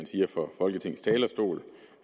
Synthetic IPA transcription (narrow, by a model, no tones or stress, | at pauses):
ænsiːɐfɒ̽fɒ̽lɡ̥ət͡sʰe̝ŋ̰̩st͡sʰɛːlɐsd̥o̝̰ːl